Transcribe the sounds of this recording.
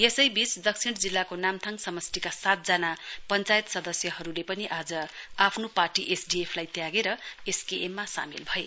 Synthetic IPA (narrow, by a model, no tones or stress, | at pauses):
esʌjbit͡sd̪ʌk̚sʰiɽd͡zilːakonamt̪ʰaŋsʌmʌst̪ikasat̪̚d͡zanapʌnt͡sajt̪sʌd̪ʌsjʌɦʌɾulepʌniʔad͡zʌapʰnoparʈiʔesɖiepʰlajt̪jaɡeɾʌeskeemːasa̰mḭlbʱʌe